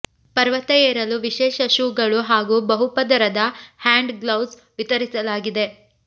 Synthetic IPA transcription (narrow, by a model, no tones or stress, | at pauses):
pɐɾʋɐt̪ɛjeːɾɐluʋiʃɛːʃɐʃuːɡɐɭuɦaːɡuːbɐɦupɐd̪ɐɾɐd̪ɐhaːɳɖɡlɐws | ʋit̪ɐɾisɐlaːɡid̪e̞